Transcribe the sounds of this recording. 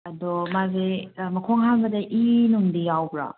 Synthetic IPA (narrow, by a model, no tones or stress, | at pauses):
ɐdɔmazemɐkʰoŋɦaŋɡɐdaʔinuŋdijawbɾa̰